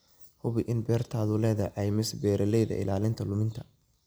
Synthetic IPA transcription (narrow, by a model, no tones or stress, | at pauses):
hʊβɪʔɪnbɛːrt̪ʰaːðʊlɛːðɐʕɛjmɪsbɛːɾɐlɛjðɐ̰ʔɪ̰laːlɪnt̪ʰɐlʊmɪnt̪ʰɐ̥